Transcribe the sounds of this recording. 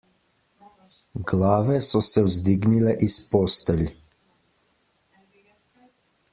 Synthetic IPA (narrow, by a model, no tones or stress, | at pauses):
ɡlaːʋɛsɔsɛwzd̪iɡnilɛʔispoːst̪ɛl